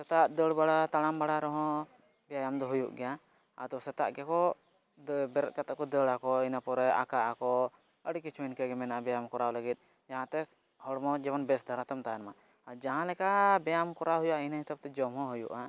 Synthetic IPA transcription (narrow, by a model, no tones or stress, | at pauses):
sɛt̪aʔd̪əɽbaɽat̪alambaɽaɾɔɦɔ̃ | bɛjajamd̪ɔɦujṵʔɡɛja | a̰t̪ɔsɛt̪a̰ʔɡɛkɔ | bɛɾɛt̪̚kat̪akɔd̪əɽakɔinapɔɾɛa̰kaʔakɔ | əɽikit͡ʃʰuinkɛɡɛmɛnaʔabɛjamkɔɾawləɡit̪̚ˀ | d͡ʒaɦãt̪ɛ | hɔɽmɔd͡ʒɛbɔnbɛsd̪ʱaɾat̪amt̪ajanma | ad͡ʒaɦãlɛkabɛjamkɔɾaɦujuʔainahit̪ab̚t̪ɛd͡ʒɔmɦɔ̃ɦujṵʔa